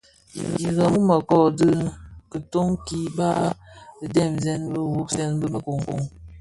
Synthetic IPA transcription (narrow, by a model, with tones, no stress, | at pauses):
i˨ɣə˨mə˦mə˨kɔ˦˨dɨ˦kə˨to˦ŋki˦ba˦˨ | dɛ˦˨mzɛ˦nbə˦˨wu˦k̚sɛ˦nbə˦mə˨ko˨ŋ˨ko̰˨ŋ